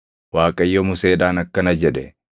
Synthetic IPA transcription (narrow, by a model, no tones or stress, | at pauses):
waːkʼɐjːɔmʊseːᶑaːnɐkːɐnɐd͡ʒɛᶑɛ